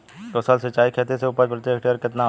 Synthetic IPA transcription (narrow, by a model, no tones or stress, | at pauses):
k̪osəlsət͡ʃːaːikʰeːt̪eseʊpəɾpɾət̪eːkʈeəɾkɪt̪na